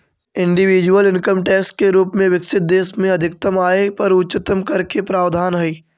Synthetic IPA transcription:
ɪ̃ɳɖiʋiːd͡ʒuwəlɪnkəmʈɛːkskeɾuːpmẽʋɪkʃɪt̪̚d̪eːsmẽɐd̪ʱɪk̚t̪əmaːepɐɾʊtːt͡ʃɪt̪əmkɐɾkepɾaːʋd̪ʱaːnɦɐiː

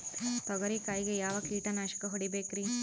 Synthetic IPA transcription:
t̪ɔɡɐɾikaːjiɡejaːʋɐkiːʈɐnaːʃɐ̥kɐɦoɽibeːkɾi

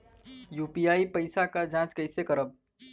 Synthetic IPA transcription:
juːpijaːipəɪsakad͡ʒãːt͡ʃkəɪsekəɾəb̚

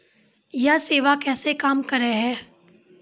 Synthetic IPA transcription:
jaseːʋakɛːsekaːmkɐɾeɦɛː

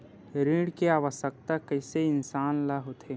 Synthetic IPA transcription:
ɾĩːɽkeaːʋəʃək̚t̪akəɪseɪnsaːnlaɦot̪ʰeː

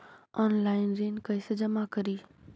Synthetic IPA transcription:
ɔːnlaːɪnɾeːnkɐɪsəd͡ʒɐmakɐɾiː

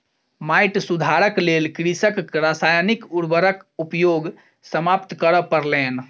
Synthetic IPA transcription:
maɪʈsud̪ʱaɾəklelkɾisəkɾasaːjnikuɾbəɾəkupjoɡ | səmap̚t̪kəɾəpəɾlen

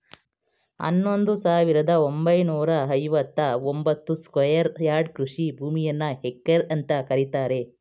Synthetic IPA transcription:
ɐ̰nːo̞nd̪usaːʋiɾɐd̪ɐombɐjnuːɾɐɐjʋɐt̪ːɐombɐt̪ːuskʋɐjɐɾjaːɾɖkɾuʂibʱuːmijɐnːɐɦekːɐɾɐnt̪ɐkɐɾit̪aːɾe̞

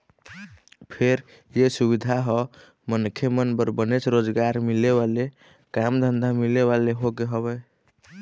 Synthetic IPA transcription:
pʰeɾ | jesuβid̪ʱaɦɔ | mənkʰemənbəɾbənet͡ʃɾod͡ʒɡaɾmileβale | kamd̪ʱənd̪ʱamileβaleɦoɡeɦəβɛ

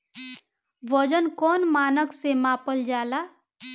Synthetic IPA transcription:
ʋəd͡ʒənkɔːnmaːnəksemãːpəld͡ʒaːlaː

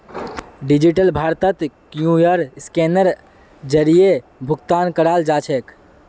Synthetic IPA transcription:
ɖid͡ʒiʈəlbʱaɾt̪ət̪kjũjəɾskenəɾ | d͡ʒəɾijebʱukt̪ankəɾald͡ʒat͡ʃʰɛk

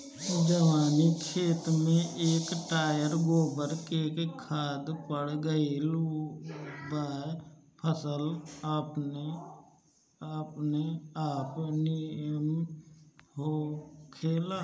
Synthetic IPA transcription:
d͡ʒəʋaːnikʰeːt̪mẽʔeːkʈaːjəɾɡoːbəɾkekkʰaːd̪pəɽɡəel | bə | pʰəsəlaːpne | apneaːpnim | ɦoːkʰeːlaː

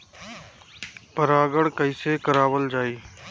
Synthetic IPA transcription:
pəɾaːɡəɽkəɪsekəɾaːwəld͡ʒaːiː

